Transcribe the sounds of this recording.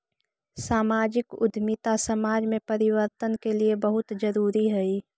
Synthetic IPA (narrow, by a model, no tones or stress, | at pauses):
saːmaːd͡ʒɪkʊ̰d̪ʱmɪt̪asɐmaːd͡ʒmẽpɐɾɪwəɾt̪ənkeliebəɦʊt̪d͡ʒəɾuːɾiɦɛiː